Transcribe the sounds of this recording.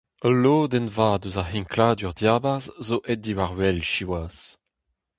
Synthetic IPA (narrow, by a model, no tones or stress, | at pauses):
əloːd̪ɛnvaːd̪øzahiŋklaːd̪yʁdjaːbaʁzzoʔɛdiwaʁwɛlʃiwas